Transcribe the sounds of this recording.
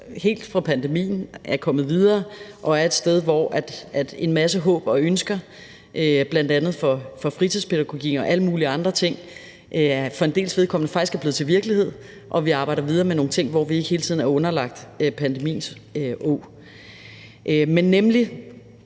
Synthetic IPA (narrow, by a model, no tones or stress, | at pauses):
he̝̰ːld̥fʁɑ̈pʰænd̥emḭːn̩ʔæɐkʰɒ̽mð̩ˠʋið̞ˠɐːʔɒ̽æɐe̝d̥sd̥eð̞ˠʋɒʔæd̥æd̥e̝nmæsəɦɔ̰̽ːb̥ɒ̽ønsɡ̥ɐ | ʔb̥læn̰d̥ænð̞̩ˠfɒ̽fɒ̽fʁit͡sʰiðˠspʰe̝ɾæɡ̥o̝ɡ̥ḭːn̩ɒ̽ʔæləmuːliəɑ̈nd̥ʁɐt͡sʰe̝ŋ̰ | ʔæfɒ̽e̝nd̥e̝̰ːlsʋe̝ðˠkʰɒ̽m̰nəfɑ̈ɡ̥isɡ̥æɐb̥le̝ːð̩ˠt͡sʰeʋiɐɡ̥əlihe̝ð̞̰ˠ | ʔɒ̽ʋiɑ̈ːb̥ɑ̈ɪ̰ɾ̥ɐʋið̞ˠɐːmeno̝ːŋ̩t͡sʰe̝ŋ̰ʋɒ̰ʋie̝ɡ̥əhe̝ːlət͡sʰiðˠn̩æɐɔ̽nɐlɑ̈ɡ̥̚d̥øpʰænd̥e̝mḭːnsøʔɔ̰ː | ʔmenːemli